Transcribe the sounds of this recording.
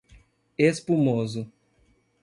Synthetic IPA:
espumozʊ

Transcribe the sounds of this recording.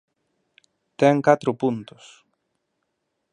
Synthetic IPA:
t̪ɛŋkat̪ɾupunt̪us

